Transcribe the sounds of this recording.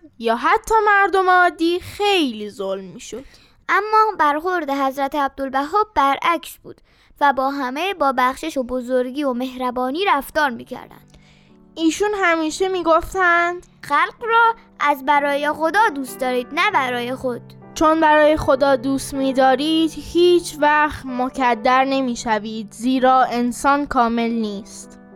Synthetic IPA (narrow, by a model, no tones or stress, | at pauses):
jɒːɦæt̪ʰːɒːmæɾd̪o̞meɒːd̪ːiːxejliːzolmːiːʃod̪̥ | ʔæmːɒːbæɾxo̞ɾd̪eɦæzɾæt̪ʰeæb̚d̪o̞lbæɦɒːb̚bæɾʔæcʰsb̥ṵːd̪̥ | væbɒːɦæmebɒːbæxʃeʃobo̞zoɾɟiːome̞ɦɾæbɒːniːɾæft̪ɒːɾmḭːcʰæ̰ɾd̪æ̰nd̪̥ | iːʃunhæmiːʃemiːɡoft̪ænd̪̥xælɢrɒː | ʔæzbæɾɒːje̞xo̞d̪ɒːd̪uːst̪d̪ɒːɾiːd̪̥næbæɾɒːje̞xo̞d̪̥ | t͡ʃʰonbæɾɒːje̞xo̞d̪ɒːd̪uːst̪miːd̪ɒːɾiːd̪̥hiːt͡ʃʰvæxt̪mocʰæd̪ːæɾne̞miːʃæviːd̪ziːɾɒːe̞nsɒːnkʰɒːme̞lniːst̪